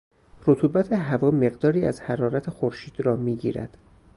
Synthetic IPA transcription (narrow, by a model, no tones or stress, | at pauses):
rot̪ʰuːbæt̪ʰeɦævɒːme̞ɣd̪ɒːɾiːæzhæɾɒːɾæt̪ʰexoɾʃiːd̪̥ɾɒːmiːɟḭːɾæ̰d̪̥